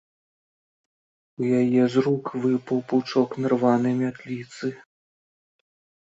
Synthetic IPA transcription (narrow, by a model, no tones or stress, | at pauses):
ujajɛzrukvɨpɐwpuwt͡ʂɔknarvanɨjmʲat̪lʲit̪sɨ